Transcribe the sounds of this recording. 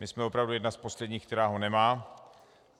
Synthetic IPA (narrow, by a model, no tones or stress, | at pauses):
mɪsmɛo̞pɾavdujɛdnaspo̞slɛdɲiːk̚t̪ɛɾaːɦonɛmaː